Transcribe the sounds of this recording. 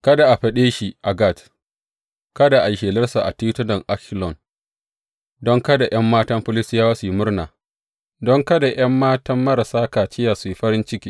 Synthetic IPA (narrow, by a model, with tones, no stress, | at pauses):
kɐ˦da˨ʔa˨ɸɐ˦ɗeː˦ʃi˦ʔa˨ɡa˦˨t | kɐ˦da˨ʔa˨jʃeː˨lɐ˦rsa˨ʔa̰˨ti˦tʊ˦nɐ˨ŋʔa˦klɔ˨n | dɔ˦ŋkɐ˦da˨j̰ɐ˦mːaː˦tɐ˦mɸʊ˦lɪ˦sɪ˦jaː˦waː˦su˨ji˦mʊ˦rnaː˨ | dɔ˦ŋkɐ˦da˨j̰ɐ˦mːaː˦tɐ˦mːɐ˦ɾa˨saː˦ka˨t͡ʃɪ˦jaː˨su˨ji˦ɸɐ˦ɾɪ˦nt͡ʃɪ˦kʲiː˦